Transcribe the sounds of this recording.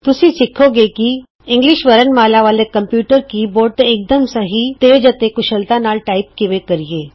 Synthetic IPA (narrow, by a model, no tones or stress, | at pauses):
t̪ʊsĩsɪkʰoɡeki | ɪ̃ŋɡliʃʋəɾənmaːlaʋaːlekɐmpjuːʈəɾkiboːɾɖ̚t̪eeːk̚d̪əmsəɦit̪ed͡ʒət̪ekʊʃəlt̪anaːlʈaːip̚kɪʋekəɾieː